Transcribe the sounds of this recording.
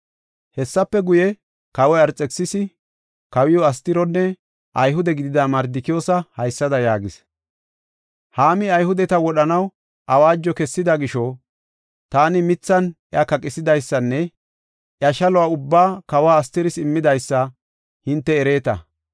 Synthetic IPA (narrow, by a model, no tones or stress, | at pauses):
hɛsːɐpːɛɡʊjɛ | kɐwɔjɐɾt͡sʼɛksɪsɪ | kɐwɪjɔɐst̪ɪɾɔnːɛ | ʔɐjɦʊd̪ɛɡɪd̪ɪd̪ɐmɐɾd̪ɪkɪjoːsɐhɐjsːɐd̪ɐjaːɡɪs | haːmɪɐjɦʊd̪ɛt̪ɐwɔɗɐnɐw | ʔɐwaːd͡ʒːɔkɛsːɪd̪ɐɡɪʃɔ | t̪aːnɪmɪt͡sːɐnjɐkɐkʼɪsɪd̪ɐjsːɐnːɛ | ʔjɐʃɐlɔwaʊbːaːkɐwaːst̪ɪɾɪsɪmːɪd̪ɐjsːɐ | hɪnt̪ːɛːɾe̞ːt̪ɐ̰